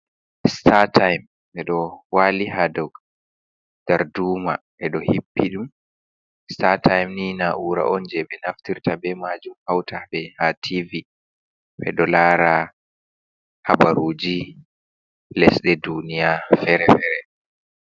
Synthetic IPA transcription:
statajm | ɓɛɗɔwaːliɦadɔwɡ | d̥aɾduːma̰ | ʔɛɗɔhipːiɗum | statajmniːnaʔuɾa̰ʔɔnd͡ʒɛɓɛnaftiɾtabɛmad͡ʒumhawtaɓɛhatʰivi | ɓɛ̰ɗɔlaːɾa | habaɾuːd͡ʒi | lɛsɗɛdunijafɛɾɛfɛɾɛ

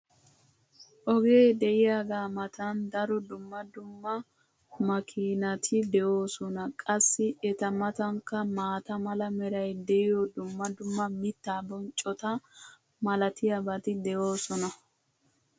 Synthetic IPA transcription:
ʔɔɡe̞ːd̪ɛʔɪjaːɡaːmɐt̪ɐnd̪ɐɾɔd̪ʊmːɐd̪ʊmːɐ | mɐkʰiːnɐt̪ʰɪd̪ɛʔo̞ːsɔnɐkʼɐsːɪʔɛt̪ɐmɐt̪ɐŋkːɐmaːt̪ɐmɐlɐmɛɾɐjd̪ɛʔɪjɔd̪ʊmːɐd̪ʊmːɐmɪt̪ːaːbɔnt͡ʃʼːɔt̪ɐ | mɐlɐt̪ɪjɐbɐt̪ɪd̪ɛʔo̞ːsɔnɐ

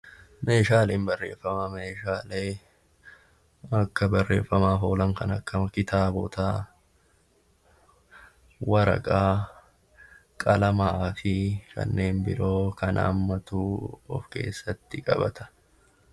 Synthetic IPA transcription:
me̞ːʃaːleːmbɐrːe̞̰ːfːɐmame̞ːʃaːleː | ɐkːɐbɐrːe̞̰ːfːɐmaːfoːlɐŋkɐnɐkːɐmɐkɪt̪aːbɔt̪aː | wɐɾɐ̰kʼaː | kʼɐlɐmaːfɪkʰɐ̰nːe̞ːnbɪɾo̞ːkɐnʔa̰ːmːɐt̪uːɔ̰fke̞̰ːsːɐt̪ːɪkʼɐ̰bɐt̪ɐ̥

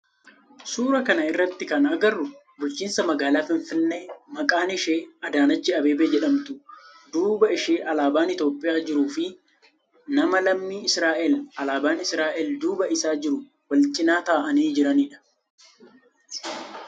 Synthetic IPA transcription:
suːɾɐkɐnɐɪrːɐt̪ːɪkɐnʔɐɡɐrːʊ | bʊlt͡ʃːiːnsɐmɐɡaːlaːfɪɱfɪnːe̞ːmɐkʼaːnɪʃeːɐd̪aːnɐt͡ʃːɪɐbe̞ːbeːd͡ʒɛᶑɐmt̪ʊ | d̪uːbɐɪʃeːʔɐlaːbaːnɪt̪o̞ːpʼːɪjaːd͡ʒɪɾuːfɪ | nɐmɐlɐmːiːɪsɾaːʔɛlɐlaːbaːnɪsɾaːʔɛld̪uːbɐɪsaːd͡ʒɪɾʊ | wɐlt͡ʃʼɪnaːt̪aːʔɐniːd͡ʒɪɾɐniːᶑɐ̥

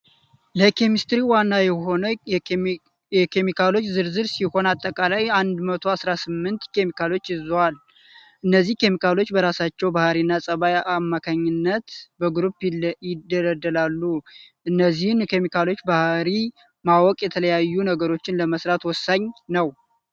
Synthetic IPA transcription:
ləkʰemist̪ɾiwanːajɛɦo̞nə | jɛkʰe̞mikʰalo̞t͡ʃːzɨɾzɨɾsiho̞nat̪ʼːəkʼalajand̪mət̪ʰo̞asɾasɨmːɨnt̪kʰe̞mikʰalo̞t͡ʃːɨzwal | ʔɨnːəzːihke̞mikʰalo̞t͡ʃːbəɾasat͡ʃːɛwbahɾinːasʼəβajʔamːakʰaɲːɪnːət̪bəɡɾupjɪd̪ələd̪ːəlalːuʔɨnːəzːihnkʰe̞mikʰalo̞t͡ʃːbahɾi | mawɔkʼjɛt̪ʰələjajːunəɡəɾo̞t͡ʃːɪnləməsɾat̪wɔsːaɲnəw

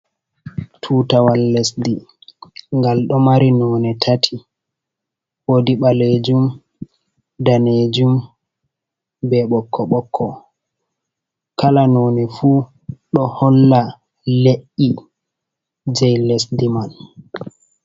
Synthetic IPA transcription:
tʰuːtawalːɛsdi | ŋɡalɗɔmaɾinɔːnɛtʰatʰi | wodiɓaled͡ʒum | daned͡ʒum | bɛɓɔkʰːɔɓɔkʰːɔ | kalanoːnɛfuː | ɗɔhɔlːa | leʔːi | d͡ʒɛjlesdiman

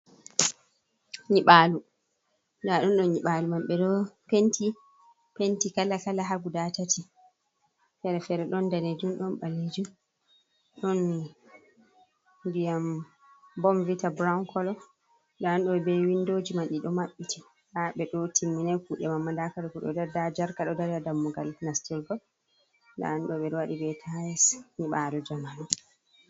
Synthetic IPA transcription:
ɲiɓalu | ndaɗɔnɗɔnɲiɓalumamɓɛɗɔpenti | pentikalːakalaɦaɡudatatʰi | fɛɾɛfɛɾɛɗɔndaɾed͡ʒumɗɔnɓalːed͡ʒum | ɗɔnː | dijam | bɔmvitabɾawnkɔlɔ | ɗaanɗɔɛbɛwindoːd͡ʒimanɗiɗɔmaɓːitʰi | ɗaɓɛɗɔtimːinajkuɗɛmamːandakaɗɔkɔɗɔ̰dadad͡ʒaɾkaɗɔdaɾadamːuɡalnastɛlɡɔ | da̰anɗɔɓɛɾwaɗibɛtʰajsmiɓadɔd͡ʒamanɔ

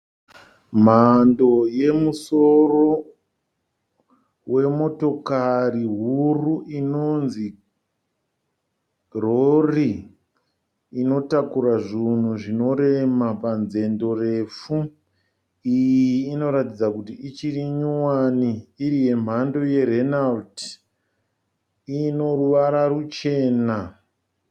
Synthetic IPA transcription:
m̤ando̞je̞muso̞ro̞ | we̞mo̞to̞kariɦuuruʔinonzi | ro̞ri | no̞takuɾaʐin̤uʐino̞ɾe̞mapanze̞ndo̞re̞fu | ijiːno̞ɾatid͡zakutiit͡ʃiriɲuwaniːɾije̞m̤ando̞je̞ɾenalt | ino̞ruʋaɾarut͡ʃe̞ːna

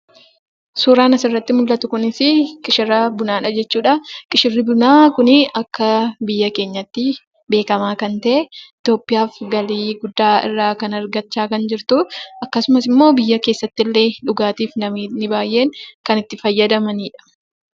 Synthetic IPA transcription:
suːɾaːnɐsɪrːɐt̪ːɪmʊlːɐt̪ʊkʊnɪsɪkʼɪʃɪrːɐbʊnaːᶑɐd͡ʒɛt͡ʃːuːᶑɐkʼɪʃɪrːɪbʊnaːkʊnɪɐkːɐbɪjːɐke̞ːɲːɐt̪ːɪ | be̞ːkɐmaːkɐnt̪ɐʔɛɪt̪jo̞ːpːɪjaːfɡɐliːɡʊd̪ːaːɪ̰rːaːkɐnɐɾɡɐt͡ʃːaːkɐnd͡ʒɪɾt̪ʊʔɐkːɐsʊmɐsɪmːo̞ːbɪjːɐke̞ːsːɐt̪ːɪlːe̞ːᶑʊɡaːt̪iːfnɐminɪbaːjʔe̞ːŋkɐnɪt̪ːɪfɐjːɐd̪ɐmɐniːᶑɐ̥

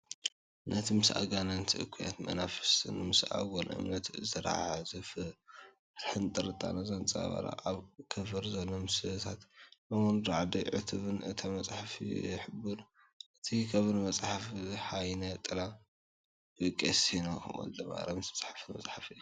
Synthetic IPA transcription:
nʔɐt̪ʰimɨsʔa̰ɡanɐnt̪ʰɨʔɨ̰kʰːuja̰t̪mɐ̰nafɨ̥sɨ̰nɨmɨsa̰ɡonʔɨ̰mnɐt̪ɨzɐɾa̰ʕʕazɨf | ɾħɨnt̪ʼɨɾɨt̪ʼa̰nazant͡sʼa̰βa̰ɾa̰ʔʼaβkʰɐfɨɾzɐlomɨsɨt̪ʰat̪bɐmonɾaʕd̪iʕɨ̰t̪ʰɨβɨnɨt̪ʰamɐt͡sʼħafḭħɨbuɾ | ʔɨt̪ʰikʰɐβɨnmɐt͡sʼħafħajnɐt̪ʼɨla | ɨkʼesino̰ʔo̰nld̪ɨma̰ɾɐmɨsmɐ̥t͡sʼħḁfɨnmɐ̰t͡sʼħafɨ

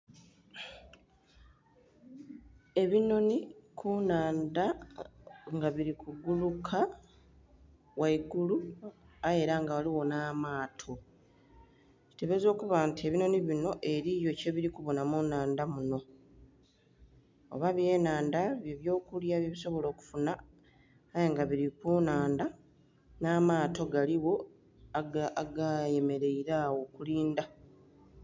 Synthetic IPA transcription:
e̞βino̞nikʰunaːnda | ŋɡaβiɾikʰuɡulukʰa | waiɡulu | ae̞ɾaŋɡawaliwo̞naːmaːtʰo | ci̥te̞βe̞zo̞ːkuβantʰie̞βino̞niβino̞ʔe̞ɾijo̞ce̞βiɾikuβo̞namunaːndamuno̞ | o̰βaβje̞ːnaːndaβjeβjo̞ːkuljaβjeβiso̞βo̞lo̞ːku̥funaː | jeŋɡaβiɾikunaːnda | naːmaːto̞ɡaliwo̞ | aaɡaje̞me̞ɾe̞iɾaːwo̞kuliːnda

